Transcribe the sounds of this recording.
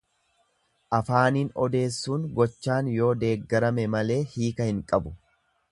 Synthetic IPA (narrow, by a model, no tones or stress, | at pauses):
ʔɐfaːniːnɔd̪e̞ːsːuːnɡɔt͡ʃːaːnjo̞ːd̪e̞ːɡːɐɾɐmɛmɐle̞ːhiːkɐhɪŋkʼɐbʊ̥